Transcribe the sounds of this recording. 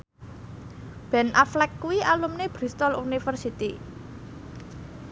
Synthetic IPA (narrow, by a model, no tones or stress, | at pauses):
b̥ɛ̤nʔaflɛkːuwialumneb̥ɾist̪ɔlunifərsit̪i